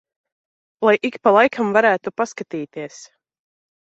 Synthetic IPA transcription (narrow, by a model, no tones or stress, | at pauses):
lˠajʔikpalˠajkʰamvaɾæːt̪upaskat̪iːt̪iɛs